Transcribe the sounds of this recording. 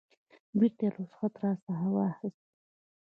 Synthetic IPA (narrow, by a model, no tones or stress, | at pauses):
biɾt̪elosxat̪ɾɑsaɦawɑxəst̪